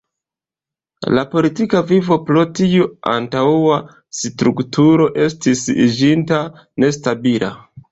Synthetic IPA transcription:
lapo̞litikavivo̞pɾo̞tiua̰ntawua | stɾuktʰuɾo̞ʔe̞stisḭd͡ʒinta | ne̞stabila̰

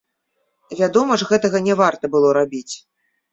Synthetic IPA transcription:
vʲad̪ɔmɐʐɣɛt̪ɐɣɐnʲɛvart̪ɐbɨlˠɔɾabʲit͡sʲ

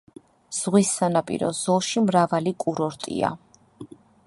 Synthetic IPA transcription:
z̥ʁwisːanapʼḭɾɔ̰zɔlˠʃimɾavalikʼuɾɔɾt̪ʼḭa̰

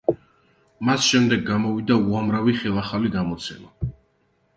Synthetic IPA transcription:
masʃɛmd̪ɛɡːamɔvid̪auamɾaviχɛlˠaχaliɡamɔt̪sʰɛma

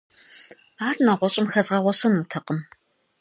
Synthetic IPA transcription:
aːrnɐʁʷɔɕʼɪmxɐzʁɐʁʷɔɕɐnutʰɐqʼəm

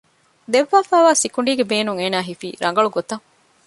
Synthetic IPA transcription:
d̪eʋːaːfæːʋaːsikuɳɖiːɡebeːnuŋeːnaːɦifḭːɾʔɐŋ̆ɡɐɭuɡot̪ɐŋ

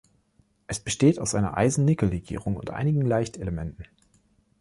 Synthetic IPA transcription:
ʔɛsb̥əʃteːtaʊsʔaɪnɐ̰ʔa̰ɪzn̩nɪkl̩ʁeɡḭːʁ̞ʊŋʊntʔa̰ɪnɪɡŋ̩laɪçteləmɛntn̩

